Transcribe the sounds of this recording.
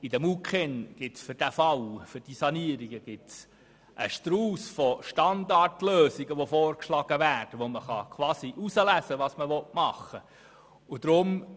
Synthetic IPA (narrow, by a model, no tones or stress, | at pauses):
idɛmukχenɡ̥ɪtsfʏɾd̥æfɑwfʏrd̥isɑniəɾiɡəɡ̥ɪts | ʔəʃtɾuːsfɔʃtɑndɑrtløːsiɡəʋofɔːrkʃlɑɡ̥əvæːrd̥əʋoməχɑkʰʋɑːsiʔusəlæsəʋɑːsməʋɔtmɑχə | ʊd̥ɾʊm